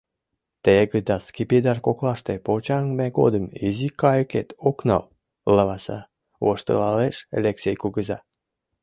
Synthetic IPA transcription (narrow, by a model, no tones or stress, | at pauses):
t̪eɡəd̪ɑskipid̪ɑrkoklɑʃt̪epolt͡ɕɑŋmeɡo̰d̪əmizikɑjəket̪oknɑ̰w | ləβɑsɑ̰ | woʃt̪ə̰lɑleʃḛleksʲejkuɣəzɑ